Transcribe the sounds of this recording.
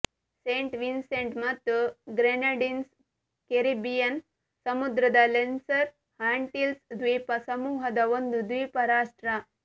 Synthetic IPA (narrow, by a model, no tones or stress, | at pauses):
seɳʈʋinseɳʈmɐt̪əɡɾenɐɖins | keɾibijɐn | sɐmud̪ɾɐd̪alensɐɾ | haɳʈilsd̪ʋipɐsɐmuːɦɐd̪aʋɐnd̪ud̪ʋiːpɐɾaːsʈɾa